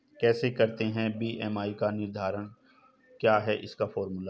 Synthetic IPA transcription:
kɛːsekɐɾt̪eɦɛ̃biːʔɛːmaːikanɪɾd̪ʱaːɾəɽ̃ | kjaːɦɛʔɪskafɔːɾmʊla

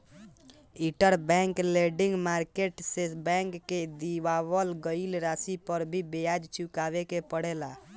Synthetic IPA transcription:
iʈəɾbɛ̃ŋkleɖiŋɡmaɾkeʈsesbɛ̃ŋkːed̪iʋabəlɡəilɾasipəɾbʱibejad͡ʒt͡ʃʰukabekepəɽela

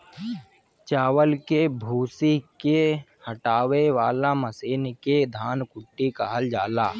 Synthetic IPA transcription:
t͡ʃaːwəlkebʱuːsikehəʈaːweʋaːlaməsiːnked̪ʱaːnkʊʈːikaɦəld͡ʒaːlaː

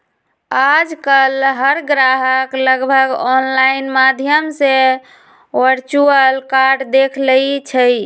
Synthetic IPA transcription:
ad͡ʒkəlɦəɾɡɾaɦəkləɡbʱəɡɔnlainmad̪ʱjəmse | ʋəɾt͡ʃuəlkaɾɖd̪ekʰlət͡ʃʰəj

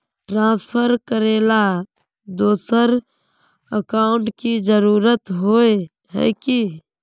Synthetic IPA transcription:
ʈɾãːspʰəɾkəɾeːla | d̪oːsəɾ | əkaːʊɳʈkid͡ʒəɾuːɾət̪ɦoːe | ɦɛ̰ːki

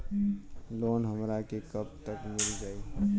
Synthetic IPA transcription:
loːnɦəmɾakekəp̚t̪əkmɪld͡ʒaːi

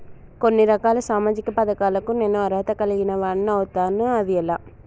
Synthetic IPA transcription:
konːiɾɐkaːlɐsaːmaːd͡ʒɪkːɐpɐðɐkaːlɐkunenːuɐɾɦɐt̪ɐkɐlɐɣinɐʋaːɳːɐʋɯt̪aːnuɐðɪɛlːa

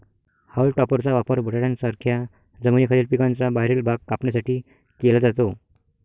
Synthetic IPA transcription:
hawlʈɔpəɾt͡saʋapəɾbʱəʈaɽjãnsaɾkʰja | d͡zəmənikʰaliːlpikãnt͡sabaɦiɾəlbʱaɡ̚kapɳjasaʈiː | kelad͡zat̪o

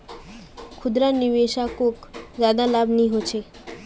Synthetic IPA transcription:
kʰud̪ɾaɾnibeʃakokzad̪alabniɦot͡ɕʰe

